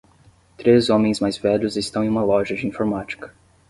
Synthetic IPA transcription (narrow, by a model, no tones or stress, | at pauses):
t̪ɾezõmẽj̃zmajzvɛʎʊzɪst̪ɐ̃w̃ẽũmɐlɔʒɐd͡ʒɪĩfoɾmat͡ʃi̥kɐ̥